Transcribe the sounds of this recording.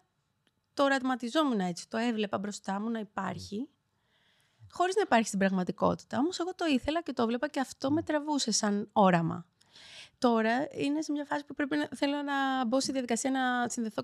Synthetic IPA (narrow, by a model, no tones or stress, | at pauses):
t̪o̞ɾɐt̪mɐt̪izo̞menɐe̞t͡si̥t̪o̞e̞vle̞pɐbɾo̞st̪ɐmunɐipɐɾçi | xo̞ɾiznɐipɐɾçist̪ibɾɐɣmɐt̪iko̞̰t̪i̥t̪ɐo̞mo̞se̞ɣo̞t̪o̞iθe̞lɐce̞t̪ovle̞pɐceɐft̪o̞me̞t̪ɾɐvuse̞sɐno̞ɾɐmɐ̰ | t̪o̞ɾɐine̞semɲɐfɐsi̥pupɾe̞pinɐθe̞lonɐbost̪iðiɐðikɐsiɐnɐsinðe̞θo̞